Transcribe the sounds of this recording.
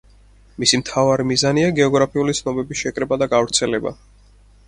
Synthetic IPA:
misimt̪ʰavaɾimizaniaɡɛɔɡɾapʰiulit̪sʰnɔbɛbisʃɛkʼɾɛbad̪aɡavɾt̪sʰɛlɛba̰

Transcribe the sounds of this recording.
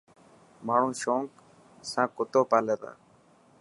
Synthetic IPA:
maːɳ̤ũːʃoːŋk | sãːkʊt̪oːpaːleːt̪a̰ː

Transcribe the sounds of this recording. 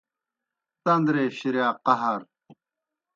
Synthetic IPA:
t̪ɐnd̪ɾeːɕiɾjaːqɐɦɐɾ

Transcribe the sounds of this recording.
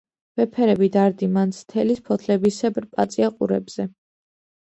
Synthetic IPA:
v̥ɛpʰɛɾɛbid̪aɾd̪imant̪sʰt̪ʰɛlispʰɔt̪ʰlɛbisɛbɾpʼat̪sʼiaqʼṵɾɛ̰bz̥ɛ

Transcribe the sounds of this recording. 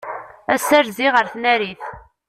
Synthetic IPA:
æsæɾziʁəɾθnæɾiθ

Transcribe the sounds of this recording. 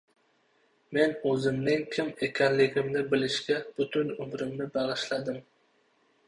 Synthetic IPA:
menɵzɪmnɪŋkʲʰɪmekʲʰanlɪɡʲɪmnɪbɪlɪʃɡʲab̥ʊt̪ʰʊnʊmɾɪmnɪbɑʁɨʃlad̪ɪm

